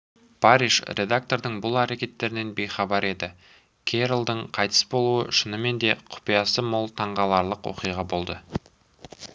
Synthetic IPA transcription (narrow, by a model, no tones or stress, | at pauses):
pʰaɾiʃrʲe̞d̪ak̚t̪o̞ɾd̪əɴbʊlˠæɾekʲe̞t̪ːe̞ɾɪne̞nbe̞jχɑbɑɾe̞d̪ɪ | kʲʰe̞ɾəlˠd̪əɴqʰɑjt̪ʰə̥sbo̞lˠuəʃənəme̞nd̪e̞qʰʊ̥pijɑsəmolˠt̪ʰɑɴʁɑlˠɑɾlˠəqwo̞̰qijʁɑbo̞lˠd̪ə